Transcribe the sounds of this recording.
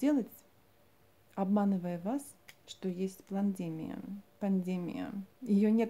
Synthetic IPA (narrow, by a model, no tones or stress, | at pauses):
dʲelˠətʲ | ɐbmanɨvəjəvas | ʂt̪ojesʲtʲplˠɐnʲdʲemʲɪ̰jə̰pɐnʲdʲemʲɪ̰jə̰jɪjonʲet̪